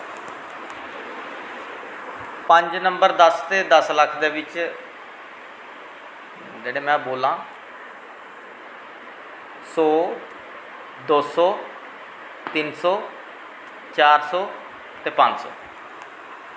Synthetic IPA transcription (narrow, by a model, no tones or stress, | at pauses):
pəɲd͡ʒnəmbəɾd̪əst̪eːd̪əsləkʰd̪eːʋɪt͡ʃ | d͡ʒeːɽeːmɛ̃ːboːlãː | sɔː | d̪oːsɔː | t̪ɪnsɔː | t͡ʃaːɾsɔː | t̪eːpə̃ɲd͡ʒsɔ̰ː